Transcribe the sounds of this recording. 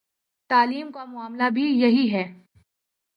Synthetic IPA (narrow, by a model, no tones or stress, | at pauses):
t̪aːliːmkamʊaːmlabʱijɐɦiɦɛː